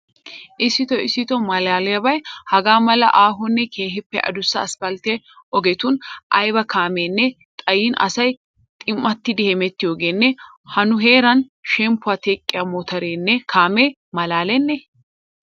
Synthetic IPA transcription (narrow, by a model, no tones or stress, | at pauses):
ʔɪsːɪt̪ɔɪsːɪt̪ɔmɐlaːlɛjɐbɐjhɐɡaːmɐlɐ̰ʔaːɦʊnːɛkʰe̞ːɦɪpːɛʔɐ̰d̪ʊsːɐːspɐlt̪e | ʔɔɡɛt̪ʊnʔɐjbɐkaːmeːnːɛ | t̪ʼɐjinʔɐ̰sɐj | t̪ʼɪmːɐt̪ːɪd̪ɪhɛmɛt̪ːɪjoːɡeːnːɛ | hɐnʊɦeːɾɐnʃɛmpːʊaːt̪ekʼːɪjaːmoːt̪ɐɾeːnːɛkʰaːmeː | mɐlaːlɛnːɛ